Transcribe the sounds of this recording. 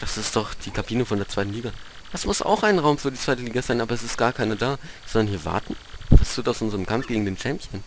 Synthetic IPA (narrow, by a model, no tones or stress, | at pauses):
d̥asɪstd̥ɔχd̥iːkʰabiːnəfɔndeːɐt͡saɪtn̩liːɡad̥asmʊsʔa̰ʊxʔaɪnʁaʊmfyːɐdiːt͡sv̥aɪtəliːɡazaɪnʔaːbɐɛsɪst̚ɡ̥aːɐkʰaɪnədaːz̥ɔndɐnhiːɐva̰ɐtn̩v̥astuːtaʊsʔʊnzəʁəmkʰamfɡ̥eːɡŋ̩deːnt͡ʃɛmpjən